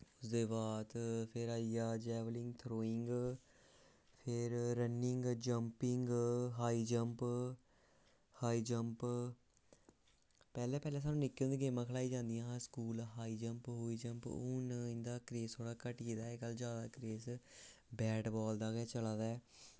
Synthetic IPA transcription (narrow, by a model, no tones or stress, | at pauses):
ʊsd̪eːbaːt̪pʰɪɾaːijaːd͡ʒɛːʋəlɪ̃ŋɡt̪ʰɾoːɪŋɡ | pʰɪɾɾənɪŋɡd͡ʒəmpɪŋɡɦaːiːd͡ʒəmp | haːiːd͡ʒəmp | pɛːlɛ̃ːpɛːlɛːs̬aːnũːnɪkːẽnd̪iːɡeːmãːkʰəlaːiːd͡ʒãːnd̪ijãːskuːlɦaːiːd͡ʒəmpɦoːiːd͡ʒəmpʊnɪ̃nd̪aːkɾeːst̪ʰoːɽaːkəʈiːd̪aːekəld͡ʒjaːd̪aːkɾeːsbɛːɖbɔːld̪aːɡɛːt͡ʃəlaːd̪ɛː